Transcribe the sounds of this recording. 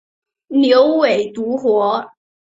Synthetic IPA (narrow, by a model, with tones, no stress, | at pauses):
ljo˧˥ʊwe˨˩ɪt̪u˧˥xwɔ˧˥